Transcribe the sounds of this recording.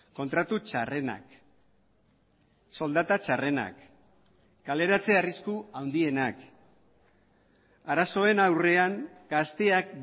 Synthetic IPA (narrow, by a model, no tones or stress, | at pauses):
ko̞nt̪ɾat̪ut͡ʃare̞na̰k | so̞ld̪at̪at͡ʃare̞na̰kː | ale̞ɾat͡se̞ariskuawnd̪ie̞nak | aɾaso̞e̞nawre̞aŋɡ̥ast̪e̞ak̚